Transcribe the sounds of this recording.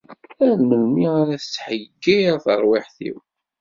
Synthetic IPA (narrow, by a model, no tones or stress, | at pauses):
ælməlmiaɾæθət͡sːħəɡːijθə̰ɾˤwiħθḭw